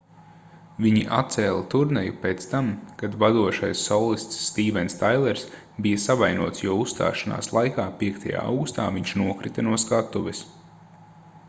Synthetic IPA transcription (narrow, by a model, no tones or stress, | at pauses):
viɲiʔa̰t̪̚t̪sɛːlˠat̪uɾnɛjupeːt̪st̪amkad̪vad̪uɔʃajsːɔlˠist̪sːt̪iːvɛnst̪ajlˠɛɾs | bijɐsavajnuɔt̪sjuɔusst̪a̰ːʃana̰ːslˠajkaːpiɛkt̪ʰaja̰ːa̰wɡust̪a̰ːviɲʃnuɔkɾit̪anuɔskat̪ːuʋɛs